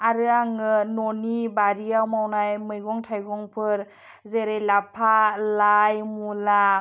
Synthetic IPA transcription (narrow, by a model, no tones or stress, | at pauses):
aɾɯaŋɯnɔnibaɾijawmawnajmɯjɡɔŋtʰajɡɔŋpʰɯɾ | zeɾejlapʰalajmula